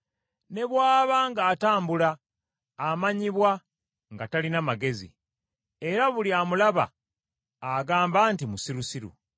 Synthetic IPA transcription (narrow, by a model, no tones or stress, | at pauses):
ne̞βwaːβaŋɡaːtaːmbulaː | maɲiβwa | ŋɡatalinamaɡe̞zḭ | e̞ɾaβuliaːmulaβa̰ː | ɡaːmbaːntimusiɾusiɾṵ